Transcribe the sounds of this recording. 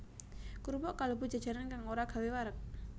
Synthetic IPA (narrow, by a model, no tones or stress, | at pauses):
kuɾupɔʔkalob̥ṳdd͡ʒʒ̥a̤d̥ʒ̥aɾankaŋoɾaɡ̥a̤wewaɾək̚